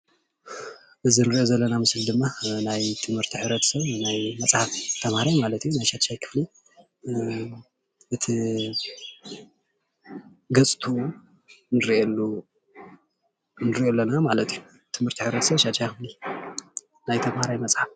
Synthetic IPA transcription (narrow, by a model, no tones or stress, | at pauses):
ʔɨzɨnɨɾʔozɐlːɐnamɨslid̪ɨmːanajt̪ʰɨmhɨɾt̪ʰiħɨβɾɐt̪ʰsɐβnajmɐt͡sʼħaft̪ʰːɐmhaɾajmalɐt̪ijunajʃat̪ʃajkʰɨ̥fli | ʔɨt̪ʰi | ɡɐt͡sʼt̪ʰu | nɨɾiʔelːu | nɨɾiʔolːɐnamalɐt̪ʰiju | t̪ʰɨmhɨɾt̪ʰiħɨβɾɐt̪sɐβʃat̪ʃajkɨfli | najt̪ʰɐmhaɾajmɐt͡sʼħaf